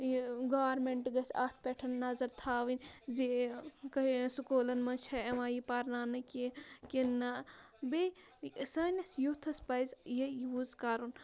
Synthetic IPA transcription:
ɡaːɾmeɳʈɡɐsʲaːt̪̚ʰpʲeʈʰɐnnɐzɐɾt̪ʰaːʋinʲzikɐsukoːlɐnmɐt͡ʃʰɐɐʋãːjipɐɾnaːnɨkʲikenːɐbe | sɐːnʲɐsjut̪ʰɐspɐjzjejuzkaːɾun

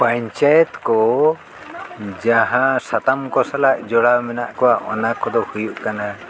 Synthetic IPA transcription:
paɲt͡ʃajɛt̪kɔ | d͡ʒaɦãsat̪amkɔsalaʔd͡ʒɔɽamɛnaʔkɔwaɔnakɔd̪ɔhujuʔkana

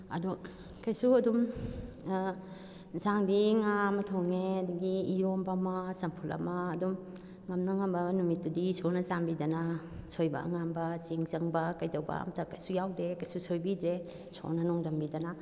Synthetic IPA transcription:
ɐ̰dɔ | kɐjsuɐdum | zaŋdiŋamɐtʰoŋeɐduɡiːɾombamɐsɐmpʰulɐ̰mɐːdum | ŋɐmnɐŋambɐnumitdudisonɐzambidɐnɐ | sojbɐ̰ŋambɐsiŋzɐŋbɐkɐjdɐwbɐ̰ɐ̰mɐtɐkɐjsujawdɾekɐjsusojbidɾe | so̰nɐnɔŋdɐmbidɐnɐ

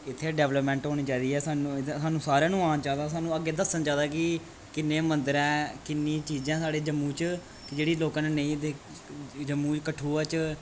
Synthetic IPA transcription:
ɪt̪ʰːeːɖɛːʋləpmɛ̃ːɳʈɦoːɽ̃iːt͡ʃaːid̪iːɦɛːsaːnsaːnũːsaːɾãːnũːaːnt͡ʃaːd̪aːsaːnũːəɡːeːd̪əsːənt͡ʃaːd̪aːkɪ | kɪnːẽːmənd̪əɾɛ̃ːkɪnːĩːt͡ʃiːd͡ʒãːsaːɽeːd͡ʒəmːũːt͡ʃ | kd͡ʒeːɽiːloːkːneːnə̃ĩːd̪eː | d͡ʒəmːuːt͡ʃkəʈʰːuːɛːt͡ʃ

